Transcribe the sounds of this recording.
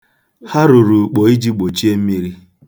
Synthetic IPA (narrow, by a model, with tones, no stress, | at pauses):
ha˦ɾu˨ɾu˨k͡po˨˦i˦d͡ʒi˦ɡ͡bo˨t͡ʃi˦e˦m̩˦mi˦ɾi˦